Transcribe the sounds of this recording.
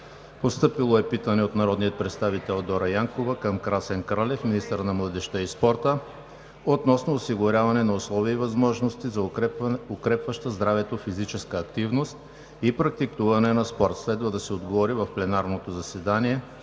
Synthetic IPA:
post̪ɤpilˠoɛpit̪ənɛot̪nɐɾɔd̪nijət̪̚pɾɛt̪st̪avit̪ɛlˠd̪ɔɾɐjaŋkovɐkəmkɾasɛnkɾalɛfminist̪əɾnɐmlˠəd̪ɛʃt̪əispɔɾt̪ə | ot̪nɔsnoːsiɡʊɾʲavɐnɛnɐʊslˠɔviːvɐzmɔʒnost̪izɐokɾɛpvɐʃt̪əzd̪ɾavɛt̪ofizit͡ʃɛskəːkt̪ivnost̪ | ipɾɐk̚t̪ikt̪uvɐnɛnɐspɔɾt̪slɛd̪vɐd̪ɐsɛod̪ɡovɔɾivɐfplɛnaɾnot̪ozɐsɛd̪aniɛ

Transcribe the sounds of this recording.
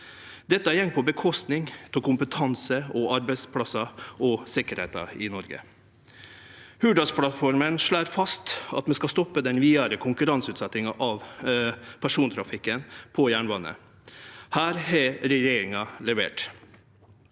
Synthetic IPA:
d̪ɛt̪ːəæjɛŋpʰɔbəkʰɔst̪nɪŋt̪ʰɛkʰʊmpət̪ʰɑnsəɔɑɾbɛɪspʰlɑsɑɔsɪkəɾhḛːt̪ɑ̰ɪnɔɾɡə̰ | hʉːɖɑspʰɽɑt̪fɔɾmənʂɭæːɾfɑst̪ɑ̰t̪mɛnskɑst̪ɔpːəd̪ɛnʋiːɑɾəkʰʊŋkʉɾɑnsʉːt̪sɛt̪ɪŋɑʔɑʋ | pʰæʂuːnt̪ʰɾɑfɪkːənpʰɔjæːɳʋɑnːə̰ | hæːɾhɛɾɛjeːɾɪŋɑlɛʋḛːʈ

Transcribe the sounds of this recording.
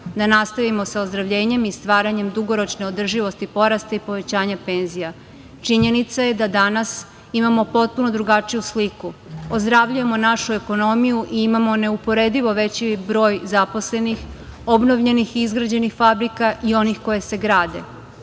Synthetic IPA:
d̪anast̪aʋimo̞saozd̪ɾaʋʎe̞ːɲe̞mist̪ʋaːɾaɲe̞md̪uɡo̞ɾo̞t͡ʃne̞o̞d̪r̩ʒiʋo̞st̪ipo̞ɾast̪aipo̞ʋe̞t͡ɕaːɲape̞ːnzija | t͡ʃiɲe̞nit̪saje̞d̪ad̪anas | imamo̞po̞t̪̚puno̞d̪ɾuɡat͡ʂijuslikuozd̪ɾaʋʎuje̞mo̞naʃue̞ko̞no̞mijuʔiimamo̞ne̞upo̞ɾe̞d̪iʋo̞ʋe̞t͡ɕibɾo̞ːjzapo̞sle̞nix | o̞bno̞ʋʎe̞nixiizɡɾad͡ʑe̞nixfabɾikaʔio̞nixko̞je̞se̞ɡɾaːd̪e̞̰

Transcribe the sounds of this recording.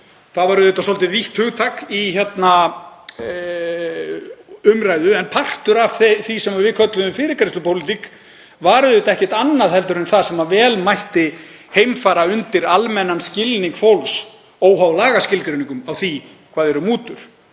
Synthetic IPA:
θaðvaɾʏðɪt̪asɔlt̪ɪviht̪hʏɣt̪ʰaːkiçɛt̪na | ʏmɾajðʏɛnpʰar̥t̪ʏɾav̥θeθisɛmaɾvɪðkʰœt̪lʏðʏmfɪːɾɪɾkaɾɪst̪ʏpʰowlɪt̪ik | vaːɾʏðɪt̪ɛhcɛ̥t̪anːaðhɛl̪t̪ʏɾɛnθaðsɛmavɛːlmajht̪ɪ | hejmfaːɾaʏnt̪ɪɾalmɛnanscɪlniŋkfowls | owɦawlaːɣascɪlkɾeɥniŋkʏmawθi | kʰvaːðɛɾʏmuːt̪ʏɾ̥

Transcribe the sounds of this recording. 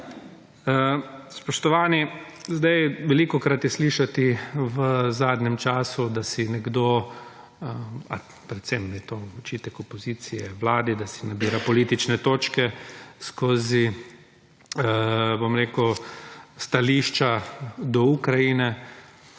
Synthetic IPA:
əspɔʃt̪ɔʋaːni | zd̪ajʋɛlikɔkɾat̪jɛsliːʃat̪iʋəzaːd̪nɛmt͡ʃaːsud̪asinɛɡd̪o | a | pɾɛt̪sɛmnɛt̪oɔt͡ʃiːt̪ɛkɔpɔziːt̪sijɛʋlaːd̪id̪asinabiːɾapɔliːt̪it͡ʃnɛt̪oːt͡ʃkɛskoːzi | bomɾeːkʊ | st̪aliːʃt͡ʃad̪ɔukɾajinɛ

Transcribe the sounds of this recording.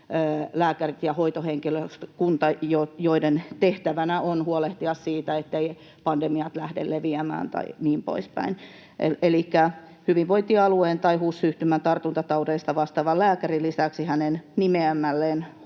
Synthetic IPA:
læːkærit̪jɑhoit̪oheŋkiløst̪kunt̪ɑjojoident̪eht̪æʋænæonhuoleht̪iɑssiːt̪æet̪ːei | pɑndemiɑt̪læhdḛlːeʋiæmæ̰ːnt̪ɑ̰iniːmpo̰ispæ̰in | ḛelikːæ | hyʋiʋʋoit̪iɑlueːnt̪ɑihuːssyht̪ymænt̪ɑrt̪unt̪ɑt̪ɑudeist̪ɑʋɑst̪ɑːʋɑllæːkærilːisæksihænennimeæmːælːeːn

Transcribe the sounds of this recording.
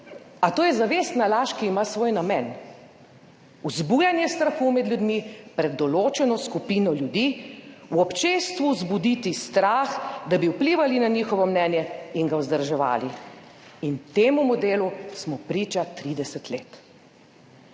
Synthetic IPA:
at̪oːjɛzaʋeːst̪nalaːʃkiːmasʋoːjnamɛn | uzbuːjanjɛst̪ɾaxuːmɛd̪ljud̪mipɾɛd̪ːɔloːt͡ʃɛnɔskupiːnɔljud̪iːwɔpt͡ʃeːst̪ʋuzbud̪it̪ist̪ɾaːxd̪abiwpliʋalinanixɔʋɔmnɛːnjɛiŋɡauzd̪əɾʒɛʋa̰ːli | int̪eːmumɔd̪eːlusmɔpɾiːt͡ʃat̪ɾiːd̪ɛsɛt̪leːt̪

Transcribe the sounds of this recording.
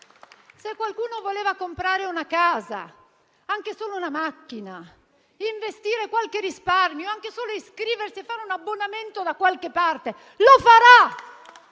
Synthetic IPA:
sekːwalkuːnovoleːvakompɾaːɾeunakaːza̰ | aŋk̟esoːlounamakːina | iɱvest̪iːɾekwalkerisparmjoaŋk̟esoːloeskɾiːversiefːaːɾeunabːonament̪od̪akwalkepːart̪e | lofaɾa

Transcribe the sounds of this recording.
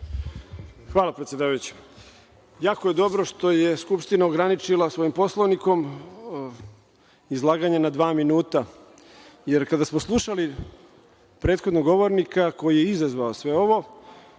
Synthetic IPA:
xʋaːlapɾet̪sʲjed̪aːʋajut͡ɕe̥ | jaːkoje̞d̪o̞bɾo̞ʃt̪o̞je̞skupʃt̪inaoɡɾanit͡ʃilˠasʋo̞jimpo̞slˠoʋniko̞m | izlˠaːɡaɲanad̪ʋaːminuːt̪a | jeɾkad̪asmoslˠuʃali | pɾe̞ːt̪xo̞d̪noɡo̞ʋo̞ɾnikako̞jije̞izazʋaosʋe̞o̞ʋo̞

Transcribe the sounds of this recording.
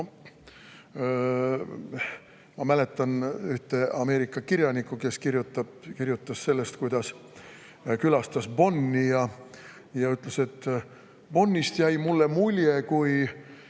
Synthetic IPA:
mɑmæle̞t̪ːˑɑnyht̪e̞ɑme̞ːɾikːˑɑkiɾjɑnikˑːuke̞skirjut̪ːˑɑbkirjut̪ːˑɑsːe̞lːe̞st̪̚kujd̪̥ɑs | kylɑst̪ɑsb̥o̞nːijɑ | jɑyt̪ˑlese̞t̪ː | b̥o̞nːist̪jæjmulːe̞mulʲjekuj

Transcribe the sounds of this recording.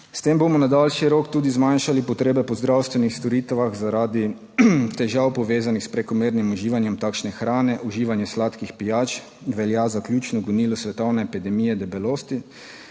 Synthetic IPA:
st̪embomɔnad̪alʃiɾoːkt̪uːd̪izmanʃalipɔt̪ɾeːbɛpɔzd̪ɾawst̪ʋɛnixst̪ɔɾiːt̪ʋaɣzaɾaːd̪i | t̪ɛʒawpɔʋeːzanixspɾɛkɔmeːɾnimuʒiːʋanjɛmt̪aːkʃnɛxɾaːnɛʔuʒiːʋanjɛslaːt̪kixpijaːt͡ʃ | ʋɛljaːzaklʲjuːt͡ʃnɔɡɔniːlɔsʋɛt̪ɔwnɛːpid̪ɛmiːjɛd̪ɛbɛloːst̪i

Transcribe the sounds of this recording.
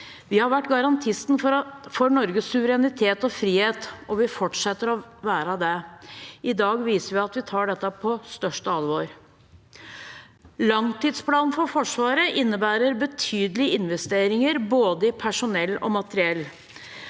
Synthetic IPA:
ʋɪhɑɾʋæʈːɡɑɾɑnt̪ʰɪsn̩fɔɾɳɔɾɡəsʉʋəɾɛnɪt̪ʰeːt̪ɔfɾiːheːt̪ɔʋɪfɔʈʂɛt̪ːəɾɔʋæːɾəd̪ɛ | ɪd̪ɑːɡʋiːsəɾʋɪɑt̪ʋɪt̪ʰɑːɖɛt̪ːəpʰɔst̪œʂʈəɑlʋoːɾ | lɑŋt̪iːd̪spʰlɑːnnfɔɾfɔʂʋɑːɾəʔɪnːəbæːɾəɾbət̪ʰyːd̪əlɪəɪnʋɛst̪eːɾɪŋəɾboːd̪əɪpʰæʂʊnɛlːɔ̰mɑt̪əɾɪɛlː

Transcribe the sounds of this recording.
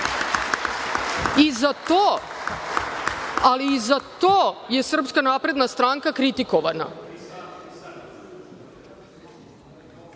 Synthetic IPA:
izat̪o | aliːzat̪oːjesr̩pskanaːpɾe̞d̪nast̪ɾaːŋkakɾit̪ikoʋana̰

